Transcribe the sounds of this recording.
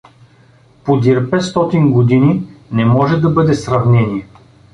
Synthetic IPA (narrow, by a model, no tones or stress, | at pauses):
pod̪ʲiɾpɛt̪st̪ɔt̪inɡod̪ininɛmɔʒɛd̪ɐbɤd̪ɛsɾɐvnɛnʲiɛ